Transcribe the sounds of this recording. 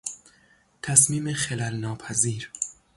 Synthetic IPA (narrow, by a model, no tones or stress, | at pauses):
t̪ʰæsmiːmeχelælnɒːpʰæziːɾ